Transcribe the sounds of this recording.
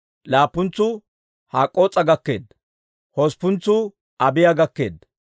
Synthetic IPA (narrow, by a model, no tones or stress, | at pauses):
laːpːʊnt͡sːʊ | haːkʼːoːt͡sʼːɐɡɐkːe̞ːd̪ | hospːʊnt͡sːʊ | ʔɐbɪjaɡɐkːe̞̰ːd̪